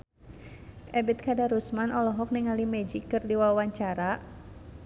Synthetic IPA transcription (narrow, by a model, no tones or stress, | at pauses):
ʔɛbit̪̚kadaɾusmanɔlɔɦɔk̚niŋalimɛd͡ʒikːɨrdiwawaɲt͡ʃaɾa